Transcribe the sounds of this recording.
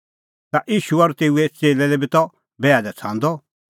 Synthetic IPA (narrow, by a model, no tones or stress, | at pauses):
t̪aʔiːʃuaɾut̪eːuet͡seːlɛlɛbit̪ɔ | bɛːad̪ɛt͡sʰãːnd̪ɔ